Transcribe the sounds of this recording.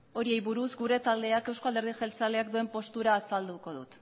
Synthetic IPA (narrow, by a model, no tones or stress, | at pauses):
o̞ɾie̞jβuɾuzɡuɾe̞t̪ald̪e̞ake̞wsko̞ald̪e̞ɾð̞iʝelt͡sale̞akd̪ue̞mpo̞st̪uɾaːsald̪uko̞ðṵt̪